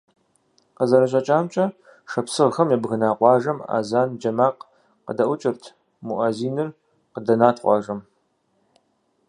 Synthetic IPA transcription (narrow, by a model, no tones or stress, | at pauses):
qəzɐɾɐɕ̬ʼɐt͡ʃʼaːmt͡ʃʼɐ | ʂɐpsɨʁxɐmjɛbɣɨnaːqʷɑːʒɐma̰ːzaːnd͡ʒɐmaːq | qədɐʔʷʊt͡ʃʼɪrtʰ | muʔɐziːnɨr | qədɐnaːtʰqʷɑ̰ːʒɐm